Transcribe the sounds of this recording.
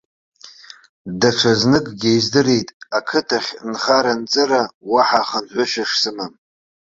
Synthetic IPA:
daʈ͡ʂʷʰaznɨkʼɡʲejzdɨɾe̞jtʼakʰɨtʰaχʲnχaɾant͡sʼɨɾawaħaχanħʷʊʃᶣaʂsɨmam

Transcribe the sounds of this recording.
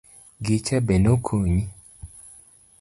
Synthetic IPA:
ɡit͡ʃɛbenokʰuɲi

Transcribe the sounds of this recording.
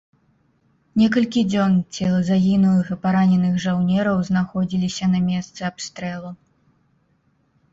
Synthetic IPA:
nʲɛk̬ɐlʲkʲid͡zʲɔnt͡sʲɛlˠɐzaɣʲinulˠɨxɨpaɾanʲɛnɨxʐawnʲɛɾɐwznaxɔd͡zʲilʲisʲɐnɐmʲɛst̪sɨapst̪ɾɛlˠu

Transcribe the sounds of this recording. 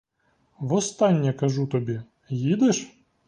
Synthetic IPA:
ʋɔst̪ɑnʲːɐkɐʒut̪ɔbʲi | jid̪eʃ

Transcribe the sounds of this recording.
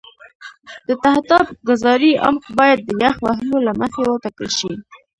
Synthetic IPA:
d̪̥ət̪ahd̪ɑbɡazɑɾiʔa̰mkbɑjad̪̚ːəjaxwahlolaməxewət̪akəlʃi

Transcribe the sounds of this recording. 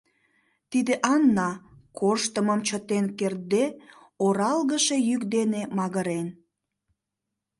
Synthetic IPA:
t̪id̪eʔɑnːɑkoʃt̪əməmt͡ɕət̪enker̚d̪e | oɾɑlɣəʃejykd̪enemɑɣəɾen

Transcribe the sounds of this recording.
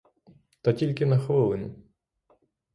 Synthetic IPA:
t̪ɐtʲilʲkɪnɐxʋɪlˠenɪ̰

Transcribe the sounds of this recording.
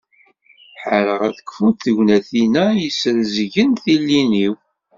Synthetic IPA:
ħəɾəʁæθə̥kfut̪θəʝnæθinæjəsəɾzəʝənθilːiniw

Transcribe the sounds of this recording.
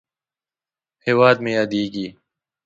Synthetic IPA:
heːwaːd̪mẽːjaːd̪iːɡiː

